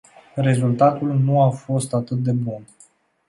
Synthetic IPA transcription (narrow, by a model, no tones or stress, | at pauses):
re̞zult̪at̪ulnuafo̞st̪at̪ɨt̪̚d̪e̞bun